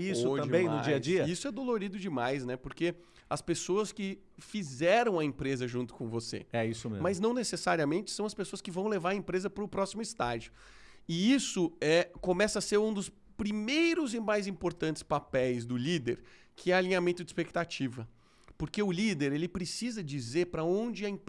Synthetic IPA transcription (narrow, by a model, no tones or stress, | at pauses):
isoʒɐ̃bẽj̃mnʊd͡ʒiɐd͡ʒiɐisʊɛd̪oloɾid̪ʊd͡ʒɪmajsnɛpoɾke | ɐspesoɐskɪ | fizɛɾɐ̃w̃ɐẽpɾezɐʒũnt̪ʊ̥kõvosḛɛisʊmḛzmɐznɐ̃w̃nesesaɾiɐmẽnt͡ʃɪ̥sɐ̃w̃ɐspesoɐskɪvɐ̃w̃levaɾɐẽmpɾezɐpɾʊpɾɔsimʊɪst̪a̰ʒʊ | ɪisʊɛkõmɛsɐseɾũd̪ʊs | pɾimejɾʊzɪmajzĩpoɾt̪ɐ̃nt͡ʃɪ̥spapɛjzd̪ʊlid̪eɾ | kʰɪɛalʲĩɲamẽnt̪ʊd͡ʒɪspekt̪at͡ʃivɐ | poɾkeʊlid̪eɾelɪpɾesizɐd͡ʒizeɾpɾɐõnd͡ʒɪɐẽp